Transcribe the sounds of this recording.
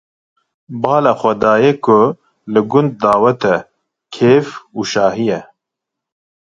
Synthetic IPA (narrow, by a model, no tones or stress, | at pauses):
bɑːlaːxʷɛd̪aːjɛkʰʊ | lɨɡʊnd̪̚ːaːwɛt̪ɛ | kʰeːfuːʃɑːɦijɛ